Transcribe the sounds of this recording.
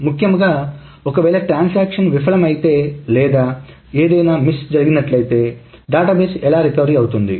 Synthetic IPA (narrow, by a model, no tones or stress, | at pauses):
mukʰjɐmuɡaː | ɔkɐʋɛːlɐʈɾaːnsaːkʂɐnʋipʰɐɭɐmɐjit̪e̞ːlɛːd̪aː | eːd̪ɐjnaːmisd͡ʒɐɾiɡinɐʈlɐjt̪e̞ː | ɖaːʈaːbeːsɛlaːɾikɐʋɾiɐwut̪und̪i